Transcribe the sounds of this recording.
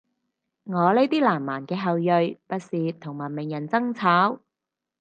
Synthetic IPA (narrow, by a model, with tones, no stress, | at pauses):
ŋɔː˨˧le˨˥t̪iː˥laː˨˩mːaː˨˩nkɛː˧ɦɐ˨wjɵ˨ɥpɐ˥t̚siː˨t̪ʰʊ˨˩ŋmɐ˨˩nmɪ˨˩ŋjɐ˨˩nt͡sɐ˥ŋt͡sʰaː˨˥w